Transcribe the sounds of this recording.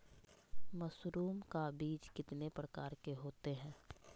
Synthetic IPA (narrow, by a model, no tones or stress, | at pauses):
məsɾuːmkabiːd͡ʒkɪt̪nepɾəkaːɾkeɦoːt̪eɦɛ̃ː